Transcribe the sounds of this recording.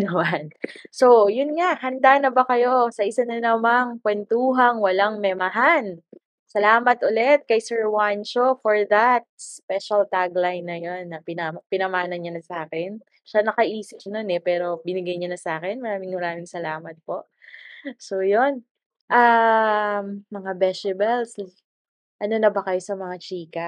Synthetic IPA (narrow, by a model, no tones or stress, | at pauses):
nɐmanso̞jʊnŋaʔhɐnd̪anɐbɐkɐjo̞sɐʔɪsanɐnɐmaŋkwɛnt̪uːɦɐŋwɐlaŋmɛmɐɦan | sɐlaːmɐt̪ʔolɛt̪̚kɐjsɛɹwanʃofoɹðɐt̪̚spɛʃɐlt̪aɡlajnːɐjonːɐpɪnampɪnɐmaːnɐnɲɐnɐsaːkɛn | ʃanɐkɐʔiːsɪp̚no̞nɛpɛːɾo̞bɪnɪɡɐjɲanɐsaːkɛnmɐɾaːmɪŋmɐɾaːmɪŋsɐlaːmɐt̪̚po̞ʔ | sojon | ʔɐ | mːɐŋabɛsɪbɛls | ʔɐno̞nɐbɐkɐjo̞sɐmɐŋat͡ʃiːkɐ